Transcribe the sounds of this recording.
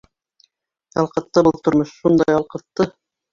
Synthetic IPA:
jɑlˠqɤ̆t̪ːɤbɤlˠt̪ŏɾmoʃʃund̪ɑjɑlˠqɤ̆t̪ːɤ

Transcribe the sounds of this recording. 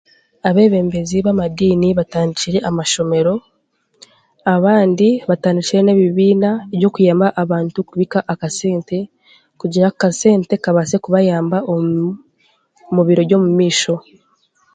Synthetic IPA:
aβe̞ːβe̞ːmbe̞ziβamadiːniβataːndit͡ʃiɾe̞ʔamaʃo̞me̞ɾo̞ | aβaːndiβataːndit͡ʃiɾe̞ne̞βiβiːnaeβjo̞kujaːmbaʔaβaːntukuβikaʔakase̞ːnte̞ | kuɟiɾakase̞ːnte̞kaβase̞kuβajaːmbao | muβiɾo̞ɟo̞mumiːʃo̞

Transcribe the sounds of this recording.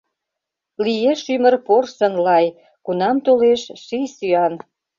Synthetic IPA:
lijeʃymərporsə̆nlɑj | kunɑmt̪oleʃʃisyɑn

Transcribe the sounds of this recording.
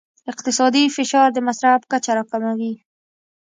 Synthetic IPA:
ɪq̚t̪ɪsɑd̪ifɪʃɑɾd̪əmasɾafkat͡ʃaɾɑkamawi

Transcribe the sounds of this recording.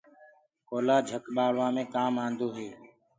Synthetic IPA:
koːlaːd͡ʒʱəkɓaːɭʋãːmẽːkaːmãːnd̪oːɦeː

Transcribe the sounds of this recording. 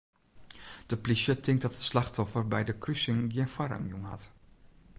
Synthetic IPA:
d̥əplisətʰɪŋk̚dɑtətslaxtɔfərbɛjdəkrysɪŋɡjənfwaɾa̰mjunhɑ̰t

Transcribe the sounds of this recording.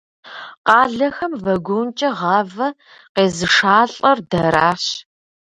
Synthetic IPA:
qɑːɮɐxɐmvɐɡʷunt͡ʃʼɐʁɑvɐ | qeːzɨʂaːɬʼɐrdɐɾaːɕ

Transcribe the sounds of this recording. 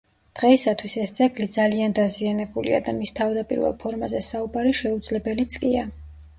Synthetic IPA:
d̪̥ʁɛisat̪ʰwisɛst̪sʰʼɛɡlid̪zaliand̪azianɛbulḭa̰d̪amist̪ʰavd̪apʼḭɾvɛ̰lˠpʰɔɾmazɛsaubaɾiʃɛud̪zlɛbɛlit̪sʼkʼia

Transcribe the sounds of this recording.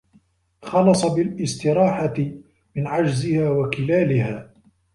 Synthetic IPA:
xɑlɑsˤɑbɪlʔɪst̪ɪɾɑːħat̪ɪ | mɪnʕad͡ʒzɪhaːwakɪlaːlɪhaː

